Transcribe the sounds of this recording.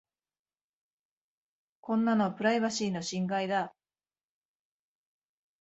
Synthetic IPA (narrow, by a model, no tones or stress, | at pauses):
kõ̞nːano̞pɯ̟ɾaiβaɕiːno̞ɕĩŋɡaid̪a